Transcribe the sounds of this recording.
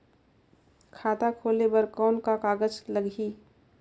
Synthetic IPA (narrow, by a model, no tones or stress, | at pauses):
kʰaːt̪akʰoːlebəɾkɔːnkakaːɡəd͡ʒləɡʱi